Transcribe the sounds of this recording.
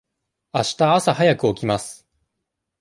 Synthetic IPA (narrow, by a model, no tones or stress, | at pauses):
aɕi̥t̪aːsaɦajakɯ̟o̞kʲimasɨ̥